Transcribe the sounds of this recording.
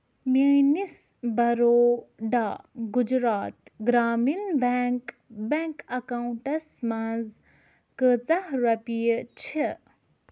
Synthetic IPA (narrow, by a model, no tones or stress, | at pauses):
mənis | bɐɾoːɖaːɡud͡ʒɾaːt̪ɡɾaːminbak | beŋkɐkauɳʈɐsmanz | kət͡sɐhɾɐpijət͡ʃʰe